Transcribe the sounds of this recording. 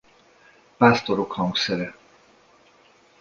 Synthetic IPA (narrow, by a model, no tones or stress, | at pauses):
past̪oɾokhɒŋɡsɛɾɛ